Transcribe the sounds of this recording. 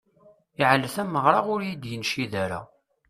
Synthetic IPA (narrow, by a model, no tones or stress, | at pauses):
iʕləθæmːəʁɾˤɑʁʊɾjid̪jənʃiðæɾæ̰